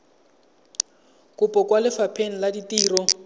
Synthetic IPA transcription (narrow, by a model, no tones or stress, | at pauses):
kʼʊpʼɔkwalɪfapʰen̩laditiːrɔ